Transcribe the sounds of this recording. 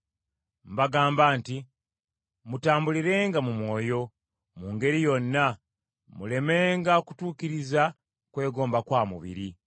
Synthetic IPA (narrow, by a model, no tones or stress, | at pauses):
mbaɡaːmbaːnti | mutaːmbuliɾe̞ːŋɡamumwo̞ːjo̞ | muːŋɡe̞ɾijo̞nːa | mule̞me̞ːŋɡaoku̥tuːkiɾiza | kwe̞ːɡo̞ːmbakwaːmṵβḭɾi